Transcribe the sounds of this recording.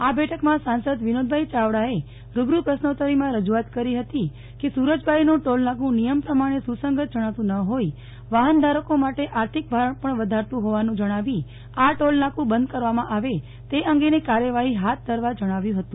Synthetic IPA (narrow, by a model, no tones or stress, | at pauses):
abɛʈʰəkmãsãnsəd̪ʋinod̪̚bʱait͡ʃaʋɽae | ɾubɾupɾəsnot̪əɾimãɾəd͡ʒuat̪kəɾiɦət̪i | kesuɾəd͡ʒbʱajnũʈolnãkũnijəmpɾəmaɽ̃esusəŋɡʱət̪̚d͡ʒəɽ̃at̪ũnəɦoi | ʋaɦənd̪ʱaɾəkomaʈeʔaɾt̪ʰik̚bʱaɾəɳpəɳʋəd̪ʱaɾt̪ũɦoʋanũd͡ʒəɽ̃aʋi | aʈolnãkũbənd̪kəɾʋamãʔaʋe | t̪eʔəŋɡenekaɾjəʋaɦiɦat̪̚ʰd̪ʱəɾʋad͡ʒəɽ̃aʋjũɦət̪ũ